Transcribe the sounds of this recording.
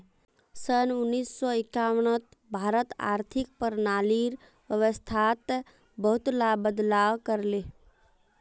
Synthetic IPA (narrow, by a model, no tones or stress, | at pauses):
sənʊnːiːsːɔɪkaːwɽ̃ət̪ | bʱaːɾət̪a̰ːɾt̪ʰɪk̚pəɾnaːliɾ | wəʋəst̪ʰaːt̪ | bəɦʊt̪laːbəd̪laːwkəɾleː